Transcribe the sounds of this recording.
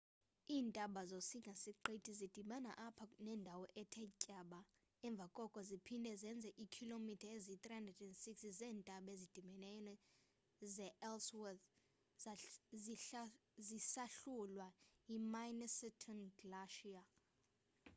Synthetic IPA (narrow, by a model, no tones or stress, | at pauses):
iːntʼaɓazosiŋɡʱasiǃetʰizid̥ʱiɓana̰ʔapʰanɛːndʱawɔʔɛtʰɛcʼaɓa | ɛɱb̪vʱakʼɔkʼɔzipʰindʱɛzɛnd͡zʱɛʔikʰilomitʰaezit̪rihandrɛdɛndsiksizɛːntʼaɓezid̥ʱimɛnɛnɔ | zɛʔɛlswɛt̪ | zisaɬulwajimajnɛsitʰɔnɡlaʃia